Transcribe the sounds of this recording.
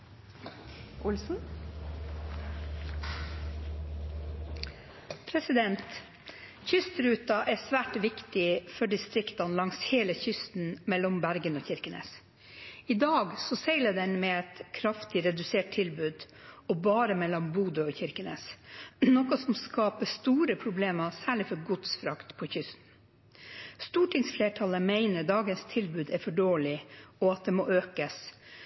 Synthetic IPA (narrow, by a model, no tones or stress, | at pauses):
ʔʊlsn̩ | pʰɾɛsɪd̪ɛnt̪ | çʏst̪ɾʉːt̪ɑʔæsʋæːʈʋɪkt̪ɪfɔɖɪst̪ɾɪkt̪ɑnlɑŋsheːləçʏst̪n̩mɛlːɔmbæɾɡənoːçɪɾkənḛːs | ɪd̪ɑːɡsɔsɛɪləd̪ɛnmeːɛt̪kʰɾɑft̪ɪɾɛd̪ʉseːʈ̚t̪ʰɪlbʉːd̪ | ɔbɑːɾəmɛlːɔmbuːd̪əɔçɪɾkənḛːsnɔkʊsɔmskɑːpəst̪uːɾəpʰɾʊbleːmɑsæːɭɪfɔɾɡʊd̪sfɾɑkt̪pʰɔçʏst̪n̩ | st̪uːʈʰɪŋsfleːʈʰɑləmeɪnəɾd̪ɑːɡənst̪ʰɪlbʉːd̪ɛɾfɔɖoːlɪɔɑt̪̚d̪ɛːmoːʔøːkəs